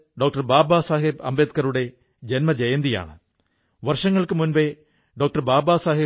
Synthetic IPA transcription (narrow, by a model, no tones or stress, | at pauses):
ɖo̞ːk̚ʈɐrbaːbaːsaːɦibɐ̰mbeːt̪̚kɐɾuɽe̞ | d͡ʑenmɐd͡ʑejɐnd̪ija̰ːɳɨ | ʋɐrʂɐŋːɐɭkɨmunbe | ɖoːk̚ʈɐrbaːbaːsaːɦi